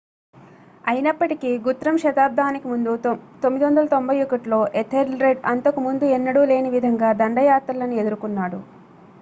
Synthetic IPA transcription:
ɐjinɐpːɐʈikiɡut̪ɾɐmʃɐt̪aːb̚d̪ʱaːnikimund̪ut̪omːid̪iʋɐnd̪ɐlɐt̪o̞mbʱɐjukɐʈlo̞ːʔet̪ʰːeɾlɾeɖɐnt̪ɐkumund̪uɛnːɐɽule̞ːniʋid̪ʱɐŋɡaːd̪ɐɳɖɐjaːt̪ɾɐlɐnue̞d̪uɾukunːaːɽṵ

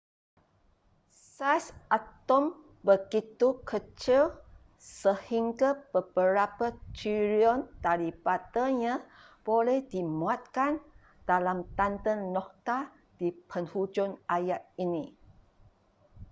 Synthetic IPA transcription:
sajsʔat̪ɔm | bəɡit̪ukʰət͡ʃil | səhiŋɡab̥əb̥əɾapat͡ʃiɾiɔndaɾipat̪əɲã | b̥olɛhdimuat̪̚kan | d̥alamt̪ant̪ənːɔk̚t̪a | d̥ipʰənhud͡ʒʊnajaʔ̚ini

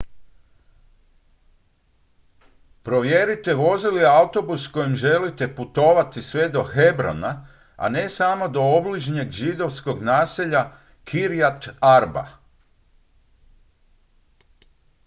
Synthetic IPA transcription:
pɾo̞ʋjeɾit̪e̞ʋo̞ziliaut̪o̞busko̞jimʒe̞lit̪e̞put̪o̞ːʋat̪isʋe̞d̪o̞xebɾo̰na | a̰ne̞samo̞d̪o̞obliʒɲe̞ɡʒid̪o̞ʋsko̞ɡnaːseʎa | kʰiɾijat̪aɾba̰

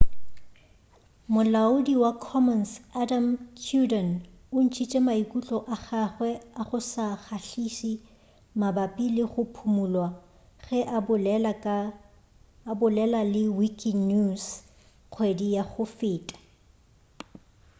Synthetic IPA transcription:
mʊlaʊdiwakʰɔmɔnsadamtʰjudɔn | ʊn̩t͡ʃʰit͡ʃʼɛmaikʼut͡ɬʼɔʔaχaχwɛaχʊsaχaɬisi | mabapʼilɪχʊpʰumulwa | ɣɛʔa | bʊlɛlalɪwikʼinus | q͡χʰwedijaχʊfɪːtʼḁ

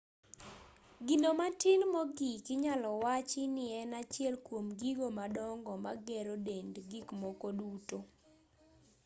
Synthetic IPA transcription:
ɡinomatɪnmɔɡikɪɲalɔwat͡ʃɪnɪɛnat͡ʃɪɛlkwomɡiɡomadɔŋɡɔmaɡɛɾodendɡikmɔkoduto

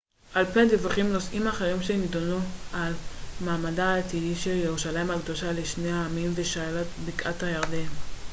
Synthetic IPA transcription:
ʔalped̪evaχimlosʔimaχeʁimʃenidonualmaːmadaːt̪idiʃe̞ljeʁuʃalajimhaɡd̪oʃaleʃne̞haːmimveʃalatbikʔathajaʁd̪en

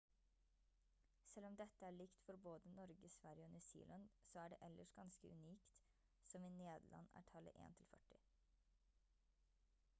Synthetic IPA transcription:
sɛlːɔmd̪ɛt̪əæːɭɪkt̪fɔɾboːd̪ənɔɾɡəsʋæɾjəoːnʉsḭːlɑnsoːæːɖɛ̰ːʔɛlːəʂɡɑnskəʔʉ̰niːkt̪ | sɔmiːneːd̪l̩ʔɑ̰næ̰ːʈʰɑlə̰ʔḛːnt̪ʰɪlfœʈɪ

